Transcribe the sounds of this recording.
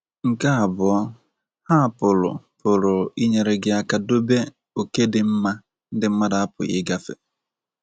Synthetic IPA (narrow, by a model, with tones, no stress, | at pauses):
ŋ̩˨ka˦a˨bʊ˨ɔ˦ | ha˦˨pʊ˨lʊ̰˨pʊ˨ɾʊ˨i˦ɲe˨ɾe˨ɡɪ˨a˨ka˨do˦be˦ | o˨ke˦dɪ˨m̩˦ma˦ | n̩˦dɪ˦m̩˦ma˦da˨a˦pʊ̰˨ɪ̰˦ɡa˦fḛ˨